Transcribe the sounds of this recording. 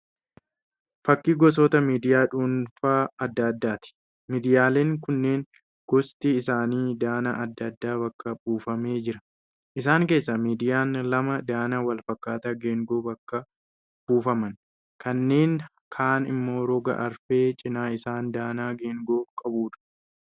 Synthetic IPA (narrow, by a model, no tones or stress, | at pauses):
fɐkʼːiɡɔs̬oːt̪ɐmiːd̪ɪjaːᶑuːnfaːɐd̪ːɐːd̪ːaːt̪ɪ̥ | miːd̪ɪjaːle̞ːŋkʊnːe̞ːŋ | ɡ̥ɔst̪iɪsaːniːd̪aːna̰ʔɐd̪ːɐd̪ːaːbɐkːɐbuːfɐme̞ːd͡ʒɪɾɐ | ʔɪsaːŋke̞ːsːɐmiːd̪ɪjaːnlɐmɐd̪aːnawɐlfɐkːaːt̪aɡeːŋɡoːbɐkːɐ | b̥uːfɐmɐn | kʰɐnːe̞ːŋ | kʰaːnɪ̰mːo̞ːɾoɡɐ̰ʔɐɾfe̞ːt͡ʃʼɪnaːɪsaːnd̪aːnaːɡeːŋɡoːkʼɐbuːᶑʊ̥